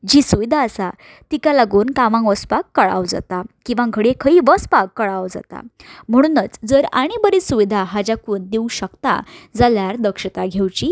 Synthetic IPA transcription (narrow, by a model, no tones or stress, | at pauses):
d͡ʑiːsuʋid̪ʱaəsa | t̪ikalaɡuːnkaʋãʋəspakːəɭa̰ʋd͡za̰t̪akĩw̃ʋãɡʱəɽekʰəiːʋəspakːəɭawd͡za̰t̪a̰m̤əɽ̃uːnət͡sd͡zəɾaɽ̃ibəɾisuʋid̪ʱaɦad͡ʑakuːnd̪euɕəkt̪a̰d͡zaljaɾd̪əkʂət̪aɡʱewt͡ɕiː